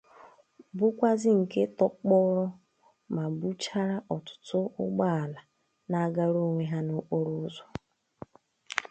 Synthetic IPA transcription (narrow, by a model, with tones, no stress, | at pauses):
bʊ˦kʷa˦zɪ˦ŋ̩˨ke˦tɔ˦k͡pɔ˦ɾɔ˦ | ma˨bu˦t͡ʃa˦ɾa˦ʔɔ˨tʊ̥˨tʊ˦ʊ˦ɡ͡ba˦a˨la˨ | na˦ɡa˦ɾo˦˨ŋʷe˦ɦa˦no˦k͡po˦ɾo˦zɔ˦